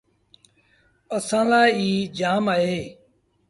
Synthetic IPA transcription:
əsãːlaːiːd͡ʒaːmaːɦeː

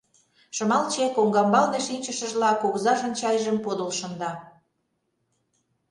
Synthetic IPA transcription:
ʃə̆mɑlt͡ɕekoŋɡɑmbɑlneʃinʲt͡ɕəʃə̆ʒlɑkoɣzɑʒə̆nt͡ɕɑjʒəmpod̪ə̆lʃə̆nd̪ɑ

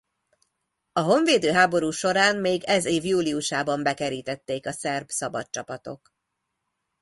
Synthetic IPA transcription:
ɒɦo̞ɱveːd̪øːɦaːbo̞ɾuːʃo̞ɾaːnmeːɡɛzeːvjuːliuʃaːbɒmbɛkɛɾiːt̪ɛt̪ːeːkɒsɛrbsɒbɒt̪t͡ʃɒpɒt̪o̞̰k

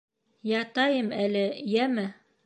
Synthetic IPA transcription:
jɑt̪ɑjɤmælɘjæmɘ

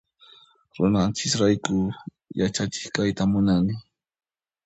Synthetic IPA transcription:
ɾʊ̰nant͡ʃɪkɾajkʊ | jat͡ʃat͡ʃɪ̥χkajt̪amʊnanɪ

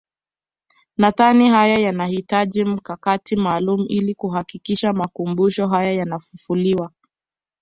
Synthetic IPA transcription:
naðanihajajanahitaʄim̩kakatimaːlumuʔilikuɦakikiʃamakumbuʃɔɦajajanafufuliwa

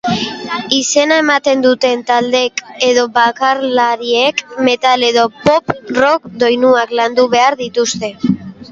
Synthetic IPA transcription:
ise̞nae̞mat̪e̞nd̪ut̪e̞nt̪ald̪e̞ke̞ðo̞βakaɾlaɾie̞kme̞t̪ale̞ðo̞po̞pro̞kd̪o̞jnuakland̪uβe̞aɾðit̪ust̪e̞

